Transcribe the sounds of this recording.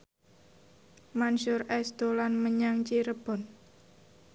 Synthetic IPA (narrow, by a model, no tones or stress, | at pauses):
manʃʊrɛsd̪̥olanməɲaŋt͡ʃiɾəb̥ɔ̤n